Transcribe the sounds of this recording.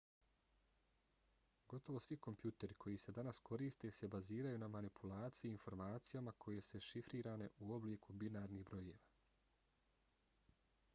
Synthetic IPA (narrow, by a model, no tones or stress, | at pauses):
ɡo̞t̪o̞ʋo̞sʋiko̞mpjuːt̪e̞ɾikʰo̞jise̞d̪anaskʰo̞ɾiːst̪e̞ːse̞baziːɾajunamanipʰulaːt̪sijeinfo̞ɾmaːt̪sijamakʰo̞je̞seʃifɾiːɾaːne̞ʔuo̞bliːkubinaːɾniːhbɾo̞jeːʋaː